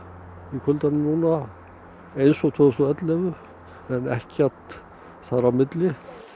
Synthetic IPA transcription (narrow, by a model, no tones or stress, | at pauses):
ikʰʏlt̪anɪmnuːna | ejnsɔɣt̪ʰɔsɔɛt̪lɛɣʏ | ɛnɛ̰hcɛɾ̥t̪ | θaðɾawmɪt̪lɪ